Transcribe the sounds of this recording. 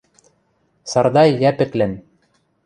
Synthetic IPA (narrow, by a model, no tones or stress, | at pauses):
sɑɾd̪ɑjːæpɘ̆klɘn